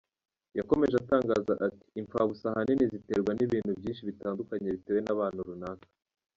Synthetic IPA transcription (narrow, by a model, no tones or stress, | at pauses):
jako̞me̞ʒataːŋɡaːzaʔati̥ːɱfaβusahaninizite̞̰ːɾɡwaniβiːnhubɟiːnʃiβitaːndukaɲe̞βite̞ːwe̞naβaːn̥huɾunaːkḁ